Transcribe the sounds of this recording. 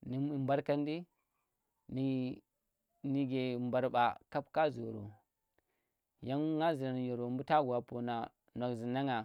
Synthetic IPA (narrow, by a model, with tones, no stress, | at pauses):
ni˨mba˦ɾka˦ndi˦ | ni˨ | ni˦ɡe˨mba˨ɾba˨ka˦pka˦zo˨ɾo̰˨ | ja˦n˦ŋa˦zi˨na˨n˨jo˨ɾo˨mbu˦ta˦ɡu˨wa˨po˨na˨ | na˨kzi˨na˦ŋa˨